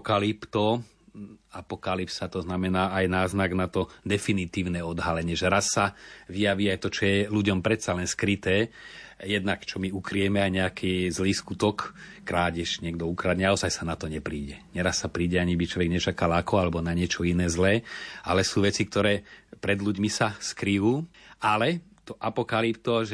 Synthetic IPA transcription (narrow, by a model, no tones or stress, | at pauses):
kalipt̪ɔ | apɔkalipsat̪ɔznamɛnaːajnaːznaɡnat̪ɔd̪ɛfinit̪iːʊnɛɔd̪ɦalɛɲɪɛʒɛɾasːaʋijaʋiajt̪ɔt͡ʃɔjɛluɟɔmpɾɛt̪salɛnskɾit̪ɛːjɛd̪nakt͡ʃɔmiukɾijɛmɛajɲɛakʰiːzliːskut̪ɔkː | ɾaːɟɛʃɲɪɛɡd̪ɔukɾad̪ɲɛaɔzajsanat̪ɔɲɛpɾiːɟɛɲɛɾasːapɾiːɟɛaɲibit͡ʃlɔʋɛɡɲɛt͡ʃakalakɔalɛbɔnaɲɪɛt͡ʃɔinɛːzlɛːʔa̰lɛsuːʋɛt͡sik̚t̪ɔɾɛːpɾɛd̪luɟmisaskɾijuːalɛ | t̪ɔʔapɔkalipt̪ɔʒɛ